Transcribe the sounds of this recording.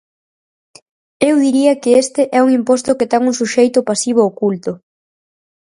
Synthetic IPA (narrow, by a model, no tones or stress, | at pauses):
ewðiɾiɐkɪest̪ɪʔɛuŋimpɔst̪ʊkɪt̪ɛŋuŋsuʃejt̪ʊpasiβ̞oːkult̪ʊ